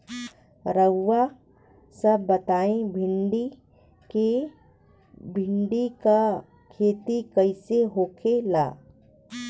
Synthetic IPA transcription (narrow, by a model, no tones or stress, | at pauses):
ɾəːa | səbːɐt̪aːẽbʱɪɳɖi | ke | bʱɪɳɖika | kʰeːt̪ikɐɪseɦoːkʰela̰ː